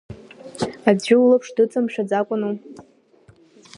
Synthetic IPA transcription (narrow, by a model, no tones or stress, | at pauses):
ad͡zɪulapʰʂdɨt͡sʼamʂad͡zakʷʼʊnu